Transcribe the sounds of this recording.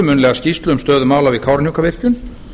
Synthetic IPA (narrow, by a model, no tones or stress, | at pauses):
ʏmʏnlɛːɣascist̪lʏʏmst̪œːðʏmaːwlavɪðkʰawɾnjukavɪr̥cʏn